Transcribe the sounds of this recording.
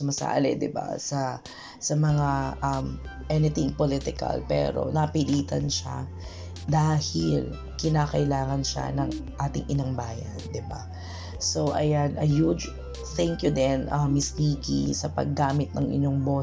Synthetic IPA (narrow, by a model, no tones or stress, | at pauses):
ʊmɐsa̰ːlɛ̰d̪ɪba̰sɐ | sɐmɐŋaʔɐmʔɛnɪt̪ɪŋpolɪt̪ɪkɐ̰lpɛ̰ːɾo̞̰nɐpɪliːt̪ɐnʃa̰ | d̪aːhɪl | kɪnaːkɐʔɪlaːŋɐnʃa̰nɐŋʔaːt̪ɪŋʔɪnɐŋbaːjɐ̰nd̪ɪba̰ | so̞wʔɐ̰janʔɐjud͡ʒ | θɛŋkjʊd̪ɛnʔɐmːɪsniːkḭsɐpɐ̰ɡːaːmɪt̪̚nɐŋʔɪ̰ɲo̞ŋbo